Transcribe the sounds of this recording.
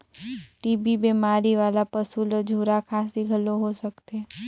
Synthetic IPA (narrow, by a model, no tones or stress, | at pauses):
ʈibibemaɾiʋalapəsuləd͡ʒʱuɾakʰasd̪iɡʱəlːoɦosəkt̪e